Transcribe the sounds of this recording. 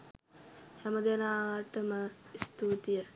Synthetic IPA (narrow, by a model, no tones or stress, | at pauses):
hɛməd̪enaːʋəʈəməist̪uːt̪ijə